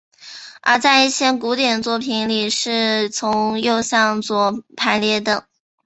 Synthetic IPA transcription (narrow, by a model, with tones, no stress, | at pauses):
ə̰˧˥t͡sa˥˧ɪi˥˩ɕʰjɛ˥nku˧˥t̪jɛ˨˩nt͡swɔ˥˩pʰi˧˥nli˨˩ʂɻ̩˥˩t͡sʰʊ˧˥ŋjo˥˧ʊɕjɑ˥˧ŋt͡swɔ˨˩pʰa˧˥ɪljɛ˧˥d̪ə˨˩